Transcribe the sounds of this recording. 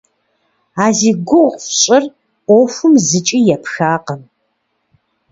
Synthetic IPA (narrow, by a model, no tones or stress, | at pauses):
aːziːɡʷʊwqʷɕʼɪr | ʔʷɔfʷʊmzɨt͡ʃʼijɛpʰxaːqəm